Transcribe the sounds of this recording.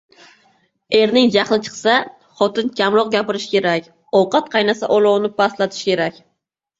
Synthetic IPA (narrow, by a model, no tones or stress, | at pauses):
e̞ɾnɪŋd͡ʒaχlˠɪt͡ʃʰɨ̥qsa | χɒt̪ɪnkʲʰamɾɒq̚ɡʲapɪɾɪʃkʲe̞ɾakʲ | ɒwqɑt̪̚qʰɑjnasa̰ʔɒlˠɒwnɪpaslˠat̪ʰɪ̥ʃkʲe̞ɾakʲ